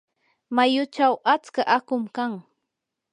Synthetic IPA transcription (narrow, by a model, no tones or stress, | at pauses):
majʊt͡ʃawʔat͡skaʔakʊmkaŋ